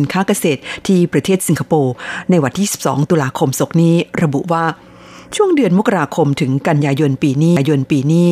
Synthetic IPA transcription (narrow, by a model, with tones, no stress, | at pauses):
nkʰaː˦˥ka˧seː˨˩t̪̚t̪ʰːiː˥˩pɾa˧t̪ʰeː˥˩t̪̚si˩˦ŋkʰa˧poː˧na˧jwa˧nt̪ʰiː˥˩si̥˨˩p̚sɔ̰ː˩˦ŋt̪uː˧laː˧kʰo˧mso˨˩˥k̚niː˦˥ɾa˧bu˨˩ʔwaː˥˩ | t͡ɕʰu˥˩əŋdɯ˧ənmo˦˥kːa˧ɾaː˧kʰo˧mt̪ʰɯ˩˦ŋka˧njaː˧jo˧npiː˧niː˥˩˧jo˧npiː˧niː˥˩